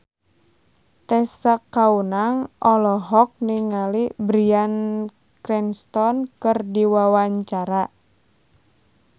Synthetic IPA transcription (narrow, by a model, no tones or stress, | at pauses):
t̪ɛsakːaunaŋʔɔlɔɦɔk̚niŋalibɾian | kɾɛnst̪ɔnkɨrdiwawaɲt͡ʃaɾa